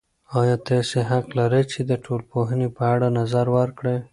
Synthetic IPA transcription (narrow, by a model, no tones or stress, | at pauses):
ɑjɑt̪ɑseɦaqlaɾət͡ʃed̪əʈʰolpoɦənepəaɽanazaɾwəɾkɽe